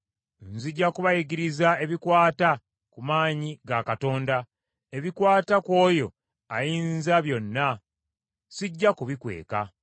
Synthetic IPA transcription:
nziɟːakuβajiɡiɾizae̞βikwaːta | kumaːɲiɡakato̞ːnda | e̞βikwaːtakwo̞ːjo̞̰ | ajiːnzaβjo̞nːa | siɟːakuβikwe̞̰ːka

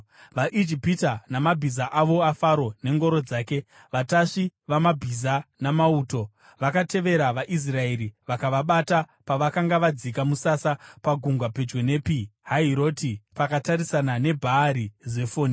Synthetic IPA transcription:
ʋaʔid͡ʒipitanamabʱizaʔaʋo̞afaɾo̞ne̞ŋɡo̞ɾo̞d͡zaːke̞ | ʋataʂiʋamabʱizanamauːto̞ | ʋakate̞ʋe̞ɾaʋaʔis̬rae̞ɾiʋakaʋaɓata | paʋakaŋɡaʋad͡zikamusasapaɡʱuŋɡwape̞d͡ʒwe̞ne̞piɦaɦiɾo̞ːtipakataɾisanane̞bʱaːɾize̞foːni

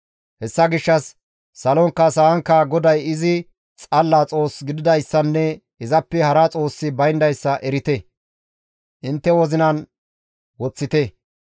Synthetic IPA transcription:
hɛsːɐɡɪʃːɐsː | ɐlɔŋkːɐsɐɐŋkːɐɡɔd̪ɐjɪzɪ | t͡sʼɐlːaːt͡sʼo̞ːsɡɪd̪ɪd̪ɐjsːɐnːɛ | ɪzɐpːɛhɐɾɐt͡sʼo̞ːsːɪbɐjnd̪ɐjsːɐʔɛɾɪt̪ɛ | ʔɪnt̪ːɛwɔzɪnɐn | wɔt͡sːɪt̪ɛ

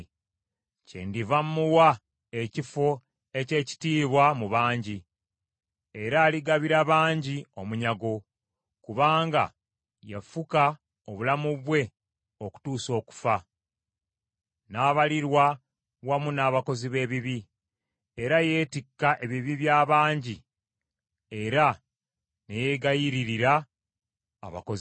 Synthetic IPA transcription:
cḛndivamːuwa | ecifo̞ | e̞ce̞ːci̥tiːβwamuβaːɲɟi | e̞ɾaːliɡaβiɾaβaːɲɟio̞muɲaɡo̞ | kuβaːŋɡa̰ | jafuka | oβulamuβwe̞ | oku̥tuːso̞ːku̥fa | naːβaliɾwa | wamunaːβako̞ziβe̞ːβiβi | e̞ɾaje̞ːtikːaʔe̞βiβiβjaːβaːɲɟi | e̞ɾa | neje̞ɡajiɾiɾiɾa̰ː | βa̰koz

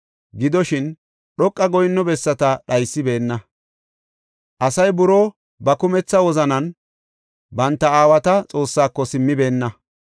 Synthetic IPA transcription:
ɡɪd̪ɔʃɪn | ɗɔkʼːɐɡɔjnːɔbɛsːɐt̪ɐɗɐjsːɪbe̞ːnːɐ | ʔɐsɐjbʊɾoː | bɐkʊmɛt͡sːɐwɔzɐnɐn | bɐnt̪ːɐaːwɐt̪ɐt͡sʼo̞ːsːaːkːɔsɪmːɪbe̞ːnːɐ

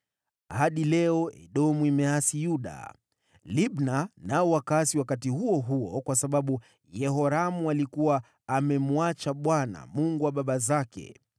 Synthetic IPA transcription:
haɗilɛɔʔɛ̰ɗɔmuimɛasijuɗa̰ | liɓnanaɔwakasiwakatihuɔɦuɔkwasaɓaɓu | jɛɦɔɾamualikuwaː | mɛmuat͡ʃaɓwana̰muŋɡuwaɓaɓazakɛ̰

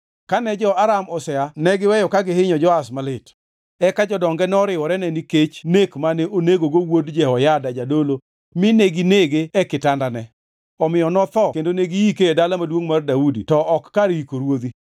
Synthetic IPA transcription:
kanɛd͡ʒɔʔaɾamɔsɛanɛɡɪwɛjɔkaɡɪhɪɲɔd͡ʒɔasmalɪt | ɛkad͡ʒɔdɔŋɡɛnɛɔɾɪwɔɾɛnɛniket͡ʃnekmanɛʔoneɡoɡowodd͡ʒɛɔjadad͡ʒadolo | mɪneɡineɡeɛkɪtandanɛ | ɔmɪjɔnɔt̪ɔkendoneɡijikeedalamadwoŋmardaudḭtɔʔːkːaɾikoɾwod̪i

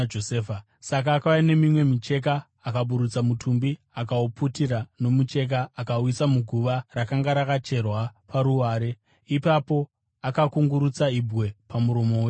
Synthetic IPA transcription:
d͡ʒoseːfa | sak̬aːkaʋaine̞mimwe̞mit͡ʃe̞k̬aː | kaɓuɾut͡samutʰumbi | akauputiɾano̞mut͡ʃe̞k̬aːkawisamuɡʱuʋarakaŋɡaɾakat͡ʃe̞rwapaɾuʋaːɾe̞ | ipapo̞ | akakuŋɡuɾut͡saibʱwe̞pamuɾo̞mo̞we

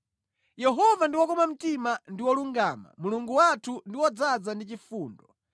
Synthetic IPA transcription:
jɛɦɔvandiwɔkɔmam̩timandiwɔluŋɡaːma̰muluŋɡuwatʰundiwɔd͡zad͡zandit͡ʃifuːndɔ

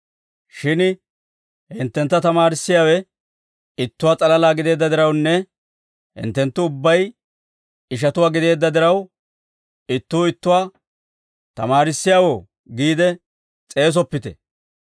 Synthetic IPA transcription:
ʃɪn | hɪnt̪ːɛnt̪ːɐt̪ɐmaːɾɪsːɪjaːwɛ | ɪt̪ːʊwaːt͡sʼɐlɐlaːɡɪd̪e̞ːd̪ːɐd̪ɪɾɐwnːɛ | hɪ̰nt̪ːɛnt̪ːʊʊbːɐj | ɪʃ̬ɐt̪ʊwaːɡɪd̪e̞ːd̪ːɐd̪ɪɾɐw | ɪt̪ːuːɪt̪ːʊwaː | t̪ɐmaːɾɪsːɪjaːwoː | ɡiːd̪ɛ | t͡sʼe̞ːs̬ɔpːɪt̪ɛ̰

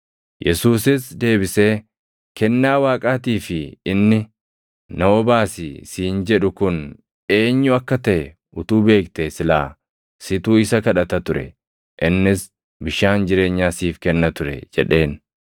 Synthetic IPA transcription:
jʔɛsuːsɪsd̪e̞ːbɪse̞ː | kɛnːaːwaːkʼaːt̪iːfɪɪnːɪ | nɐɔbaːsɪsiːnd͡ʒɛᶑʊkʊn | e̞ːɲːʊɐkːɐt̪ɐʔɛ | ʔʊt̪uːbe̞ːkt̪esɪla̰ː | sɪt̪uːɪsɐkɐᶑɐt̪ɐt̪ʊɾɛ̰ | ʔɪnːɪs | bɪʃaːnd͡ʒɪɾe̞ːɲːaːsiːfkɛnːɐt̪ʊɾɛ̰d͡ʒɛ̰ᶑe̞ːn

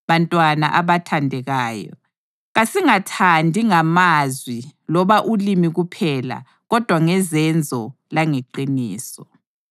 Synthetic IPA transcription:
βantʼwana̰ʔaβatʰandʱɛɣaːjɔ̰ | ɣasiŋatʰandʱiŋamazwilɔβaʔulimiɣupʰɛla̰ | ɣɔd̥ʱwaŋɛzɛnd͡zʱɔ | laŋeǃiniːsɔ

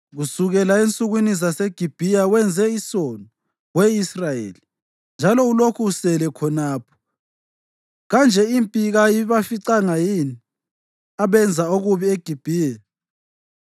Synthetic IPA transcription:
ɣusuɣɛlaent͡sʼuɣinizasɛɡ̥ʱib̥ʱijawɛnd͡zʱɛisɔnɔ | weisrajḛːli | nd͡ʒʱalɔulokʰuusɛlɛkʰɔnaːpʰɔ̥ | ɣand͡ʒʱɛimpʼiɣajiβafiǀaŋajini | aβɛnd͡zʱaoɣuβieɡ̥ʱib̥ʱiːjɛ

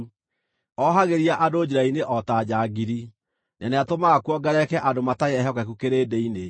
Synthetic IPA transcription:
ɔɦaɣeɾiaʔadoːd͡ʑeɾaineʔɔtad͡ʑaɡiɾi | naneatomakwɔɡaɾɛkɛʔadomataeɛɦɔkɛkukeɾeːdeine

